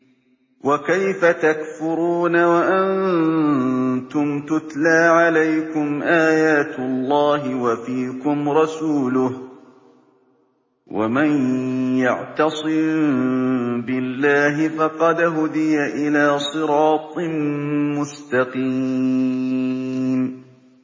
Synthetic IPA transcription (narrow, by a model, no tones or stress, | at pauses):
wʔakajfat̪akfʊɾuːnawaʔan | t̪ʊmt̪ʊt̪laːʕalajkʊmʔaːjaːt̪ʊlˤːɑːɦɪwafiːkʊmɾˤɑsuːlʊh | wʔa̰manjaʕt̪ɑsˤɨm | bɪlːaːɦɪfɑqɑd̪ɦʊd̪ɪjaʔɪlaːsˤɨɾɑːt̪ˤmmʊst̪ɑqiː | n